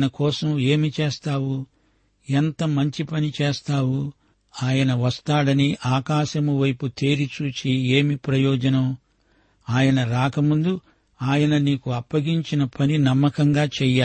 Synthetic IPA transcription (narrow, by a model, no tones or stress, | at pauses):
nɐkɔːsɐme̞ːmit͡ʃeːst̪aːwu | ent̪ɐmɐɲt͡ʃipɐnit͡ʃeːst̪aːʋu | aːjɐnɐʋɐst̪aːɽɐniʔaːkaːʃɐmuʋɐjput̪eːɾit͡ʃuːt͡ʃieːmipɾɐjɔːd͡ʒɐnɐm | aːjɐnɐɾaːkɐmund̪u | aːjɐnɐniːkuɐpːɐɡiɲt͡ʃinɐpɐninɐmːɐkɐŋɡaːt͡ʃɛjaː